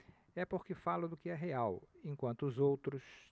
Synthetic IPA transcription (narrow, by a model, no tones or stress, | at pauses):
ɛpoɾkɪfalʊd̪ʊkɪɛɦeawẽkwɐ̃nt̪ʊːzowt̪ɾʊs